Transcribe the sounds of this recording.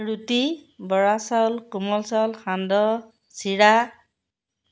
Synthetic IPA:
ɹutibɔɹasɔlkumɔlsɔlxandɔ | siɹa

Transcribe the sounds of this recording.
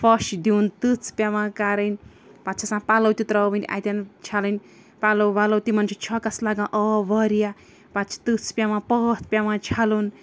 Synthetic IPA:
fʰʌʃd̪int̪ɨt͡spʲjamãkaɾəjn | pat̪t͡ʃʰasãpalowt̪it̪ɾʌbinʔa̰jt̪jant͡ʃʰaləjn | palowbalowt̪imʌnt͡ʃʰit͡ʃʰɔkaslaɡãʔʌbʌɾija | patt͡ʃʰi̥t̪ɨt͡spjamãpʌt̪̚ʰpʲjamãt͡ʃʰalun

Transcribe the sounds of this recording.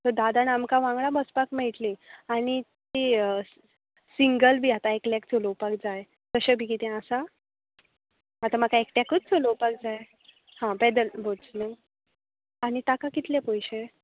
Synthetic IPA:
t̪əɾd̪ad̪anamkaʋãŋɡɭabəspakmeɭʈlĩaɽ̃it̪e | siŋɡəlbʱiːat̪aeklakt͡solowpakd͡zaj | t̪əɕəbʱikit̪ɛ̃asa | ɦat̪amakaekʈakət͡st͡solopak̚d͡zaj | hãbɛd̪əlbʱot͡snə | aɽ̃it̪akakit̪lepəjɕe

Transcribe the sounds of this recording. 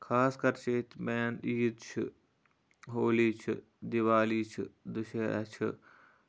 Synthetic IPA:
kʰaːskɐɾt͡ʃʰeːt̪ʰmeːniːd̪t͡ʃʰɨ̰ | ɦoːliːt͡ʃʰɨ̰ | d̪iʋaːliːt͡ʃʰɨ̰d̪ʊʃeɐ̰t͡ʃʰɨ̰

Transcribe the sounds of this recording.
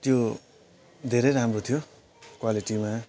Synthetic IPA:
t̪jo | d̪ʱeɾʌjɾamrot̪ʰijo | kwaliʈima

